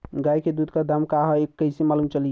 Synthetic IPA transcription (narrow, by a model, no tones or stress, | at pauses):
ɡajked̪ud̪kad̪əmkaɦekːəɪsemalumt͡ʃəlije